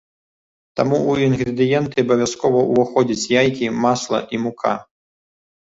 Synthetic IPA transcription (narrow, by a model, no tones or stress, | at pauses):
t̪amuuinɣɾɨd̪ɨjɛnt̪ɨɐbɐvʲjaskɔvɐʔuvɔxɔd͡zʲɐt͡sʲjajkʲimaslˠɐ̰ʔimukʰa̰